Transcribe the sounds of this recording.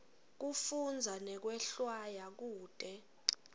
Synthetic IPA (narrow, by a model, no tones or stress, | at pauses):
k̬ufund͡zʱanɛk̬wɛɬwajak̬uːd̥ʱʼɛ